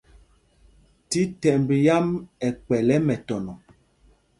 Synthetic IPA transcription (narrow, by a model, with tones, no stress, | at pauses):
ti˦tɛ˨mbi˨ja˦mɛ˨kwɛ˨lɛ˦mɛ˨tɔ˨nɔ˨